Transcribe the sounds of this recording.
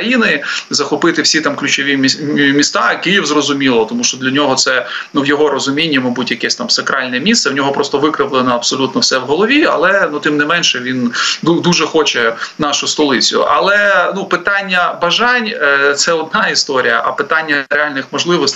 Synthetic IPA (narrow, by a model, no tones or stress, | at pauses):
ɐjinɪzɐxɔpɪt̪ɪwsʲit̪ɑmklʲʉt͡ʃɔʋʲimʲist̪akɪjiwzrɔzʊmʲilˠɔt̪ɔmuʃt͡ʃɔd̪lʲɐnʲɔɦɔt̪sɛnuwjɔɦɔɾɔzʊmʲinʲːimɐbutʲjɐkɛsʲt̪ɑmsɐkɾɑlʲnɛmʲist̪sɛwnʲɔɦɔpɾɔst̪ɔʋɪkɾɪʋlˠɪnɐɐbsɔlʲut̪nɔwsɛʋɦɔlˠɔʋʲiɐ̰lˠɛnut̪ɪmnɪmɛnʃɛʋʲinud̪uʒɛxɔt͡ʃɛnɑʃʊst̪ɔlˠɪt͡sʲʊ̰ʔɐlˠɛnupɪt̪ɑnʲːɐbɐʒɑnʲt̪sɛɔd̪nɑist̪ɔɾʲijɐʔɐpɪt̪ɑnʲːɐɾeɑlʲnɪxmɔʒlˠɪʋɔsʲt̪